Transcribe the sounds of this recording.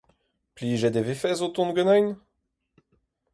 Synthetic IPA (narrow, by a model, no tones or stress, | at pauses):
pliːʒed̪evefɛzot̪ɔ̃nɡønɛn